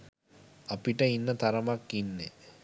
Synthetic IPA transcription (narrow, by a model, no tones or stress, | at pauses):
apiʈəinːət̪aɾəmakːinːe